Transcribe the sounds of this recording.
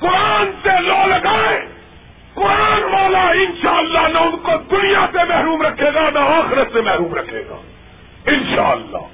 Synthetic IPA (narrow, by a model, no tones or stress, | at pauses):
kʊɾaːnseloːlɐɡaːe | kʊɾaːnʋaːlaɪnʃaːəlːanɐʊnkod̪ʊnijasemɛɦɾuːmɾɐkʰeːɡanɐaːxɪɾət̪semɛɦɾuːmɾɐkʰḛːɡa̰ː | ɪnʃa̰ːəlːa̰ː